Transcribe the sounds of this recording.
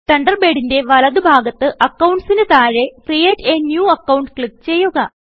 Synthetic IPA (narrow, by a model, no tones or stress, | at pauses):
t̪ɐɳɖɐrbe̞ːɽinde̞ʋɐlɐðubʱaːɡɐt̪ːɨʔɐkːɐwɳɖsinɨt̪aːɻekrijɐtːeːnjuːɐkːɐwuɳɖkɭip̚t͡ɕe̞jːuɣɐ